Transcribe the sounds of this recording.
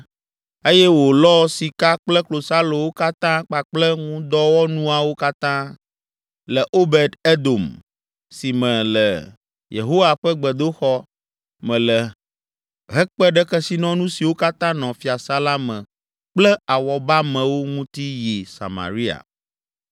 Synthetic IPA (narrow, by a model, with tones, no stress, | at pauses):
e˦jɛ˦wo˨lɔ˦si˨ka˦k͡plɛ˦klo˨sa˦lo˨wo˦ka˦t̪ã˦k͡pa˨k͡plɛ˦ŋũ˦d̪ɔ˦wɔ˦nũ˦a˨wo˦ka˦t̪ã˦ | lɛ˨ʔo˦bɛ˨d̪e˦d̪o˨m | si˨mɛ̃˨lɛ̰˨ | jḛ˨ɦo˦wa˨ɸɛ˦ɡ͡bɛ˨d̪o˦xɔ˦ | mɛ̃˨lɛ˨ | ɦɛ˦k͡pɛ˦ɖɛ˦kɛ˦si˦nɔ̃˦nũ˦si˨wo˦ka˦t̪ã˦nɔ̃˨fi˨˦a˨sa˦la˦mɛ̃˨ | k͡plɛ˦a˨wɔ˨ba˦mɛ̃˨wo˦ŋũ˦t̪i˦ji˨sa̰˨ma̰˨ɾi˦a̰˨